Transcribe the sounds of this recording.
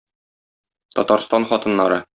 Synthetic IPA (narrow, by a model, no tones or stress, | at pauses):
t̪ɒ̰t̪ɑɾst̪ɑnχɒt̪ɤ̆nːɑɾɤ